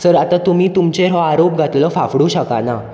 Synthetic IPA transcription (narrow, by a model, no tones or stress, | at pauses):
səɾat̪at̪um̤iːt̪umt͡ɕeɾɔaɾop̚ɡʱat̪ləfafɽuɕəkana